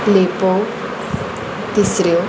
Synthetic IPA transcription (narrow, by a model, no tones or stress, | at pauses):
plepo | t̪isɾjo